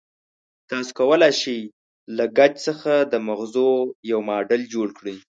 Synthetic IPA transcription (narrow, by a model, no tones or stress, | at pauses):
t̪ɑso̥kawəlajʃej | laɡad͡ʒsəxad̪əmaɣzojawmɑɖəld͡ʒoɽkɽi